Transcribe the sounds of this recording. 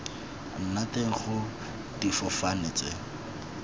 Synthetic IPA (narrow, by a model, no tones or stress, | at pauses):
n̩nateŋ̩χʊ | d̥ifɔfanɪt͡sɛ̰